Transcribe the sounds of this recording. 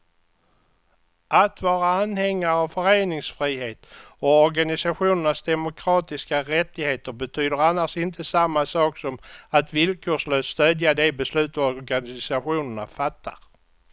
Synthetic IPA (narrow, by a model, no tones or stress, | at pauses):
ʔat̪vɑːɾaanːhɛŋːaɾavfœɾeːnɪŋsfɾiːɦeːt̪ɔɔɾɡanɪsaɧuːnəɳasd̪ɛmʊkʰɾɑːt̪ɪskaɾɛt̪ːɪɡheːt̪əɾbɛt̪ʰyːd̪əɾanːaʂɪnt̪ʰəsamːasɑːksɔmat̪vɪlkʰoːʂløːsst̪øːd̪jad̪ɛbɛslʉ̟ːt̪ɔɾɡanɪsaɧuːnəɳafat̪ʰːa̰ɾ